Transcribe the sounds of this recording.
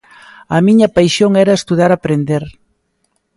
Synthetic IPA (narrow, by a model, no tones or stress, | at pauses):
ɐmiɲɐpajʃjoŋɛɾɐest̪uð̞aɾapɾend̪eɾ